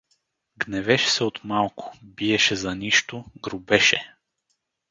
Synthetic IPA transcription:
ɡnɛvɛʃɛ̥sɛot̪malˠkʰʊ̥biɛʃɛzɐniʃt̪ʊɡɾʊbɛʃɛ

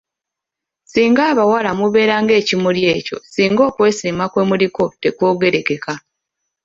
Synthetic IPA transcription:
siːŋɡaːβawalamuβe̞ːɾaːŋɡe̞ːcimulje̞ːco̞̰siːŋɡo̞ːkwe̞ːsiːmakwe̞ːmuliko̞te̞kwo̞ːɡe̞ɾe̞ke̞ka

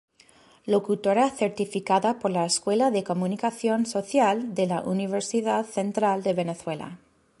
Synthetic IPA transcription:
lo̞kut̪oɾaθeɾt̪ifikaðapoɾlaeskwe̞laðeko̞munikaθjo̞nso̞θjald̪elaʔuniβeɾsiðaðθent̪ɾald̪e̞βeneθwe̞la̰

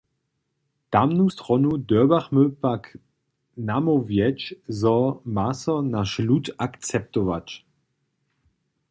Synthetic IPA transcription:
d̥amnust̪ʁɔnudøɐbaχmøpak | namovjɛt͡ʃzɔmasɔnaʃlutakt͡sɛp̚tɔva̰t͡ʃ

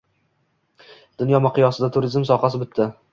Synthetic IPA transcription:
d̪̥ʊnjɒmɑqɨjɒsɪd̪at̪ʰʊɾɪzmsɒχɑs̬ɪbɪt̪ʰːɪ

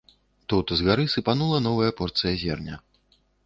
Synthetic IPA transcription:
t̪ut̪zɣaɾɨsɨpanulˠɐnɔvɐjɐpɔrt̪sɨjɐzʲɛrnʲɐ

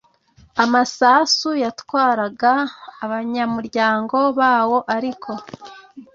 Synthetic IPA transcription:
amasasujatwaːɾaɡaːβaɲamuɾɟaːŋɡo̞βaːwo̞ʔaɾikʰo̞

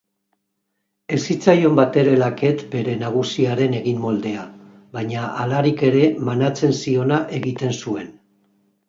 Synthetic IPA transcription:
e̞sit͡sajo̞mbat̪e̞ɾe̞lake̞t̪be̞ɾe̞naɣ̞usiaɾe̞ne̞ɣimːo̞ld̪e̞a | βajɲaalaɾike̞ɾe̞manat͡se̞nsio̞naʔe̞ɣit̪e̞nsue̞n

